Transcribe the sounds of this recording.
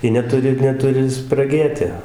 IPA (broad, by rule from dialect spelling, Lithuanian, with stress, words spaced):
ˈjɪ nʲɛˈtʊrʲɪ nʲɛˈtʊrʲɪ sprɐˈɡʲeːtʲɪ